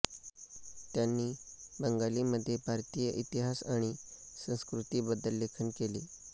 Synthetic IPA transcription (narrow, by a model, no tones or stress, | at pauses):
t̪janːiːbəŋɡaliməd̪ʱːjebʱaɾt̪ijəʔit̪iɦasaɽ̃isə̃w̃skɾut̪iːbəd̪əlːekʰənkeliː